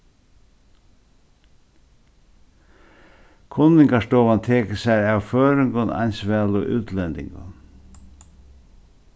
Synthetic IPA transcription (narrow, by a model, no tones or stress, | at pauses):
kʰʊnːɪŋkaʂt̪oːʋant̪ʰeːkəsæjaʋføːɾʏŋɡənɑ̰nʲsʋæːlʊʔʉ̰ːt̪ʰlɛnd̪ɪ̰ŋɡə̰n